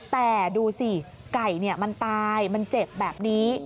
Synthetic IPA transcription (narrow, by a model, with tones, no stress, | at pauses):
t̪ɛː˨˩duː˧si˨˩ | ka˨˩jni˥˩ɐma˧nt̪aː˧jma˧nt͡ɕe˨˩p̚bɛː˨˩p̚niː˦˥